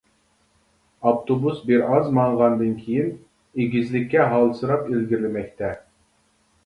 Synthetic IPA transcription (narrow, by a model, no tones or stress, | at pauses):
ɑpt̪obusbiɾɑzmɑɴʁɑnd̪ɨnkʲʰijin | eɡʲizlɪkʲːɛɦɑlˠsɨɾɑpilɡʲiɾlɪmɛk̚ʲt̪ʰɛ